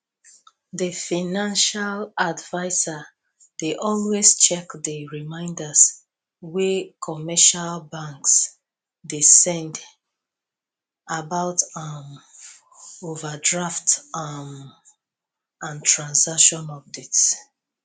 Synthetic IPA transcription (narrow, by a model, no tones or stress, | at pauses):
ðəfanãnʃaladvaɪza | d̥eʔɔlwest͡ʃɛkdəɹimãɪ̃ndas | wekʰɔmɛʃalbãŋks | desɛ̃nd | abaʊtʌm | ovadɹaftm | ãntʰɹãnsakʃɔ̃nɔb̚dits